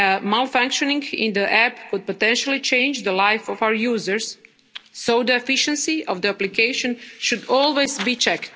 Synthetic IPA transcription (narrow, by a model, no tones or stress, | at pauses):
əmalˠfãŋkʃonĩŋɡɪ̰̃nd̪əʔæpkʊd̪̚pot̪ɛ̃nʃalˠit͡ʃẽɪ̃nd͡ʒd̪əlajfɔfawəɹjuːzəɾsː | oʊd̪əɛfiʃə̃nsiɔvd̪əaplikeɪʃõnʃud̪olˠwejzbit͡ʃɛkt̪